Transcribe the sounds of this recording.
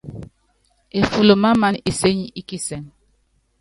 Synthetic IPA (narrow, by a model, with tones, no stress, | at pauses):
e˨fu˨lo˨ma˦ma˦ni˨se˦ɲi˦ʔi˦ki˦se˨n